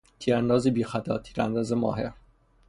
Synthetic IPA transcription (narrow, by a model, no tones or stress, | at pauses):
t̪ʰiːɾænd̪ɒːzebiːxæt̪ʰɒ̰ːt̪ʰiːɾæ̰nd̪ɒːzemɒ̰ːɦe̞ɾ